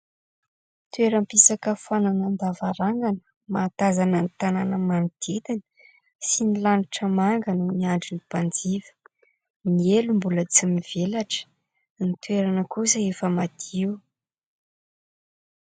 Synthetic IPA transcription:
t̪weɾəmpisakəfananənd̪avaɾaŋɡanə̥ | mat̪azanənit̪ananəmanud̪̥et̪inə | sinilaniʈ͡ʂəmaŋɡanuniaɳɖ͡ʐinipand͡zivə̥ | nielumbulət͡simiv̥elaʈ͡ʂə̥ | nit̪weɾanəkusaefəmad̪̥iw

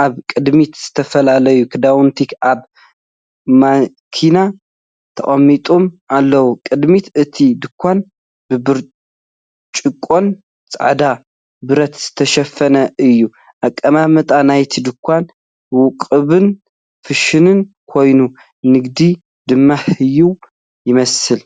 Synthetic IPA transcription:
ʔaβkʼɨd̪mit̪z̥ɨt̪ʰɐfɐlalɐjukʰɨd̪awʊnt̪ʰikaβ | ma | kʰina | t̪ʰɐχʼɐmːit̪ʼomʔalːɐwukʼɨd̪mit̪ɨt̪ʰid̪ɨkʰʷːan | bɨbɨɾ | t͡ʃʼɨkʼːo̞n | t͡sʼa̰ʕd̪a | bɨɾɐt̪zɨ̥t̪ʰɐʃɐfːɐnɐʔɨjːu | ʔakʼːɐmamɨt̪ʼanajt̪ʰid̪ɨkʰʷːan | wʊkʼɨβɨn | ffɨʃɨnɨn | kʰo̞jnu | nɨɡd̪i | d̪ɨmːahɨjːuw | jɪmɐsɨl

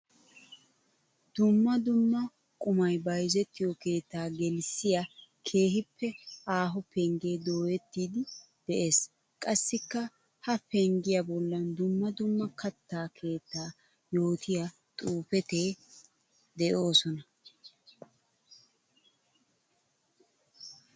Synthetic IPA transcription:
d̪̥ʊmːɐd̪ʊmːɐ | kʼʊmɐjbɐjzɛt̪ːɪjɔke̞ːt̪ːaːɡɛlsɪjakʰe̞ːɦɪpːɛʔaːɦɔpʰɛŋɡe̞ːd̪o̞ːjɛt̪ːiːd̪ɪ | d̪̥ɛʔe̞ːs | kʼɐsːɪkːɐ | hɐpʰɛŋɡɪjabɔlːɐnd̪ʊmːɐd̪ʊmːɐkʰɐt̪ːaːkʰe̞ːt̪ːaː | jo̞ːt̪ʰɪja | t̪ʼuːpɛt̪eː | d̪ɛʔo̞ːsɔnɐ

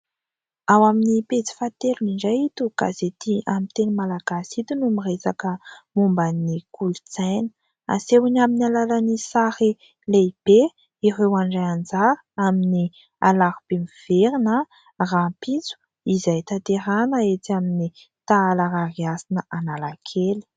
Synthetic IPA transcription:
awaminipet͡si̥fat̪eɾuniɳɖ͡ʐajit̪uɡ̥a̰zet̪iʔamint̪enimalaɡ̥asit̪unumiresakəmumbanikʰulut͡sajnə̥ | a̰sewinaminalalanisaɾi | leb̥e | irewaɳɖ͡ʐajand͡zaɾə̥amini | a̰laɾub̥emiv̥eɾinə | rapit͡su̥ | izajt̪at̪eɾanəet̪iamini | t̪aalaɾariasinəʔanalakʰeli̥

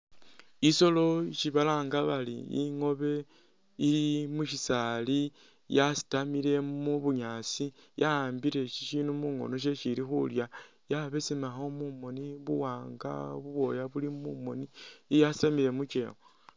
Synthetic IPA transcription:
iso̞lo̞ʃiβalaːŋɡaβalḭḭŋo̞βe̞ | ilimuʃisali | jasi̥tamile̞muβuɲat͡sijaaːmbiɾe̞ʃi̥ʃinumuŋo̞̰no̞ʃ̬e̞ʃiɾixṵlja | jaβe̞simaxo̞mumo̞niβṵwaːŋɡa̰βuβo̞jaβulimumo̞nijasi̥tamiɾe̞mut͡ʃe̞ɣo

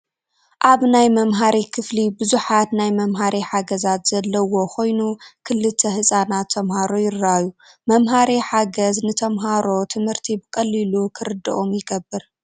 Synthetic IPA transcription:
ʔaβnajmɐmɦaɾikʰɨflibuzuħat̪najmɐmɦaɾʔiħaɡɐzat̪z̥ɐlːɐwo̞kʰo̞jnukʰɨlːɨt̪ʰːɐhɨsʼanat̪ʰːɐmhaɾojɪɾːaju | mɐmɦaɾiħaɡɐznɨt̪ʰɐmɦaɾo̞t̪ʰɨmhɨɾt̪ʰibɨkʼɐlːilukʰɨɾɨd̪ːɐʔo̞mjɪɡɐbːɨɾ

